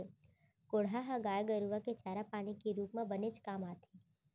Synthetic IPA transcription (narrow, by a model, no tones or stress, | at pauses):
koɽaɦãɡaːjɡəɾuʋaket͡ʃaːɾapaːnikiɾuːpmãbəned͡ʒkaːmaːt̪ʰi